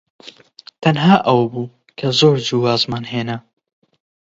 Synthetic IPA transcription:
t̪ʰɐnɦaːʔɐwbuː | kʰɐzoːɾd͡ʒiwaːzmɑːnɦeːnɐ

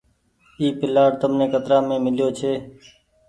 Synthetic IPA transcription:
iːpɪlaːɾt̪əmnẽːkət̪ɾaːmẽːmɪljoːt͡ʃʰeː

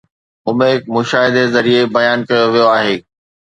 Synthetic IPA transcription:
ʊmẽːɪkmʊʃaːɦɪd̪ezɐɾiebɐjaːnkɐjoʋijoaːɦeː

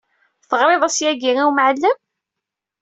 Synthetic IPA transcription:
θəʁɾˤɪðˤæsjæɡiʁiwmʕəlːəm

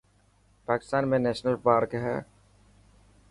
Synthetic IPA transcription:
paːkɪ̥st̪aːnmẽnɛːʃnəlpaːɾkɦɛ̰ː

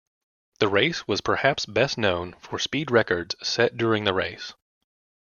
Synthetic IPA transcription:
ðɨɹeɪswʌz̥pʰə˞hæpsb̥ɛstⁿnõʊ̃nfə˞spid̚ɹɛkə˞dz̥sɛt̚d̥ʊɹɪ̃ŋðɨɹeɪs

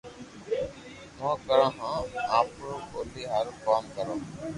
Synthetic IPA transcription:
mãːkəɾãːɦãːaːpɾko̰ːliːɦaɾkaːmkəɾãː

